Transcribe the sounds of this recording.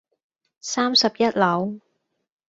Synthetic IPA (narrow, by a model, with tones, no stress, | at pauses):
saː˥msɐ˨p̚jɐ˥t̚lɐ˨˥w